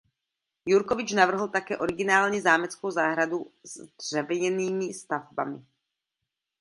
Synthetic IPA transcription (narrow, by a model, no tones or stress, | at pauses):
juɾkovɪt͡ʃnavr̩ɦl̩t̪akɛːʔo̞ɾɪɡɪnaːlɲizaːmɛt͡skowzaːɦɾaduzdr̥ɛvɲɛniːmɪst̪avba̰mɪ̰